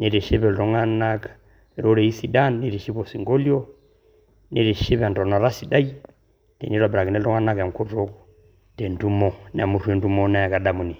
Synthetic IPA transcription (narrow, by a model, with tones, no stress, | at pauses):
nɛ˨ɾɛ˨ʃɛ˦βɛ˨lɔ˦ŋa˦na˦ka | ɾɔ˦ɾɛ˨i˦si˦da˦nːɛ˦ɾɛ˨ʃi˦βɔ˨si˨ŋɡɔ˦li˦ɔ˦ | nɛ˦ɾɛ˨ʃɛ˦βa˨ndɔ˨na˨ɾa˦si˨da˦i˦ | tɛ̰˨ni˦ɾwa˨bɛɾa˨knɛ˦lɔ˦ŋa˦na˦kja˨ŋ˨kɔ˦ɾɔ˦kɔ | tɛ˨ndu˦mɔ˦n˨a˨mu˦ɾu˦ɛ˨ndu˦mɔ˦na˦ja˨ka˨ɗa˨mu˨ni˨